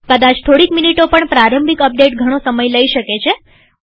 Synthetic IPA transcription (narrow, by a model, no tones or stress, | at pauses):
kəd̪at͡ʃt̪ʰoɽikminiʈopəɳpɾaɾəmbikəp̚ɖeʈɡʱəɽ̃osəməjləiʃəket͡ʃʰe